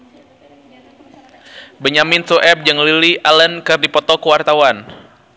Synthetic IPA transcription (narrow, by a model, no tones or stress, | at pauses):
bəɲaminsuʔɛp̚d͡ʒɨŋliliʔalənkɨrdipɔt̪ɔkəwart̪awan